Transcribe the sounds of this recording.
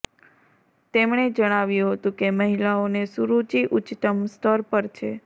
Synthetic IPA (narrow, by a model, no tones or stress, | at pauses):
t̪emɳ̃ed͡ʒəɽ̃aʋjũɦət̪ũkeməɦilaonesuɾut͡ʃiʔut͡ʃt̪əmst̪ʰəɾpəɾt͡ʃʰe